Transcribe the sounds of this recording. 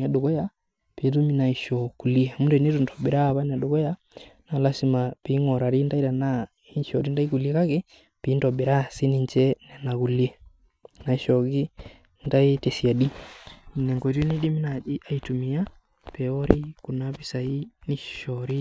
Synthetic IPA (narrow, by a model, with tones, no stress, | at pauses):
a˨ɗu˨ɣɔ˦ja˦ | pe˨t̬u˦mi˦na˨i˨ʃɔ˨ku˨li˦ɛ˨mu˦ndɛ˨ne˦tu˨ntɔ˨be˨ɾa˦βa˦n˨a˨ɗu˨ɣɔ˦ja˦ | na˨la˦si˨ma˨pi˨˦ŋɔ˨ɾa˨ɾi˦nda˦i˦ɾa˨na˦ | i˦ʃɔ˨ɾi˦nda˦i˦ku˨li˦ɛ˦ka˦ke˦ | pi˨˦ndɔ˨be˨ɾa˦si˦ni˨ɲt͡ʃɛ˦nɛ˨na˨ɣu˨lɛ˦ | na˨i˨ʃɔ˨ɣi˦ | nda˦i˦tɛ˨si˨a˨ɗi˦ | nɛ˨ŋɡɔ˨ɾni˦di˦mi˦na˨i˦a˨i˨tu˨mi˨a˦ | pɛ˨ɔ˦ɾi˦ku˨na˦pi˨sai˦ni˨ʃɔɾi˦